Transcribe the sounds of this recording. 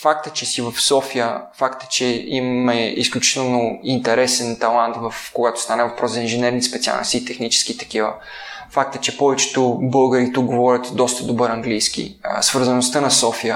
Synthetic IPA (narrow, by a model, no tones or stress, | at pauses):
fak̚t̪ə̥t͡ʃɛsivəfsɔfijəfakt̪ə̥t͡ʃɛimmɛisklʲut͡ʃi̥t̪ɛlˠnoint̪ɛɾɛsɛnt̪ɐlˠant̪vəfkoɡat̪o̥st̪anɛvɐpɾɔzzɐinʒɛnɛɾnispɛt̪sia̰lˠn̰st̪iːt̪ɛxnit͡ʃɛ̥skit̪ɐ̥k̟ivə̰ | fak̚t̪ət͡ʃɛpɔvɛt͡ʃɛ̥t̪ʊbɤlˠɡəɾit̪uk̚ɡovɔɾʲət̪d̪ɔst̪əd̪obɤɾɐŋɡlijskḭsvəɾzɐnʊst̪ənɐsɔfijə